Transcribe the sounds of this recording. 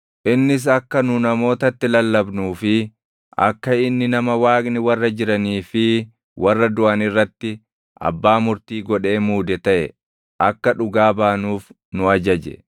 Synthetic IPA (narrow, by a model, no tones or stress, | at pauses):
ʔɪnːɪs̬ɐkːɐnʊnɐmo̞ːt̪ɐt̪ːɪlɐlːɐbnuːfɪ | ʔɐ̰kːɐɪnːɪnɐmɐwaːknɪwɐrːɐd͡ʒɪɾɐniːfɪ | wʔɐrːɐd̪ʊʔɐnɪrːɐt̪ːɪ | ʔɐ̰bːaːmʊɾt̪iːɡɔᶑe̞ːmuːd̪ɛt̪ɐʔɛ | ʔɐkːɐᶑʊɡaːbaːnuːf | nʊɐd͡ʒɐd͡ʒɛ̰